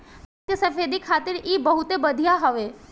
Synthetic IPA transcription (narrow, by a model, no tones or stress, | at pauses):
t̪jəsəfeːd̪ikʰaːt̪ɪɾiːbəɦut̪ebəd̪ʱijaɦɔʋe